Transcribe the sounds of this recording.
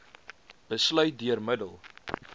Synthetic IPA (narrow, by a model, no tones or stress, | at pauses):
b̥əslœɥt̚dyərmədəlˠ